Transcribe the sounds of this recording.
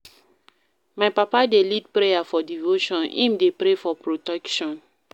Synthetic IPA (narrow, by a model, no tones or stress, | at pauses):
majpapadelid̚pɾejafɔdivoʃɔ̃nḭ̃mdepɾefɔpɾotɛkʃɔ̃n